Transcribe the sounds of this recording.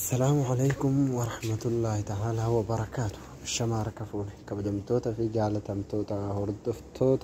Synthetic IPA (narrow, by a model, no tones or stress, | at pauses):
ɐsːɐlaːmʊʕalejkʊmwɐɾˤɑħmɐt̪ʊlːaːhɪt̪aʕaːlaːwɐbɐɾˤɑkaːt̪ʊ̥h | ɐʃːɐmaːɾkɐfuːnɪkɐbɐd̪ɐmt̪oːt̪ɐfid͡ʒaːlɐt̪ɐmt̪oːt̪ɐhɔɾd̪ɔft̪ʰoːt̪ɐ